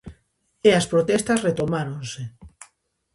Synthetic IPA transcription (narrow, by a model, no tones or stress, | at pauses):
eɐspɾot̪ɛst̪ɐsret̪omaɾonse